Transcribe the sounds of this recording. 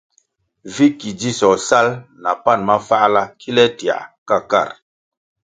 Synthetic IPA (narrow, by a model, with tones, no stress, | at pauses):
vi˦ki˨d͡ʒi˦sɔ˨sa˦lna˨pa˦˨nma˦fa˦ʔla˦kʰi˦lɛ˦ti˨a̰˨ka˦˨ka̰˦˨ɾ